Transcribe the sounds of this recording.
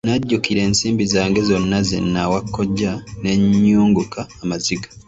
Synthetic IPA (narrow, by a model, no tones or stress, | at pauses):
naɟːukiɾe̞ːnsiːmbizaːŋɡe̞zonːazḛnːawakːoɟane̞ɲːuːŋɡukaːmaziɡḁ